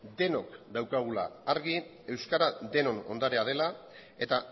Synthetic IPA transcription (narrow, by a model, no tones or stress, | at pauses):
d̪e̞nokd̪awkaɣ̞ula̰ːɾɣi | e̞wskaɾad̪e̞no̞no̞̰nd̪aɾe̞að̞e̞la | e̞t̪a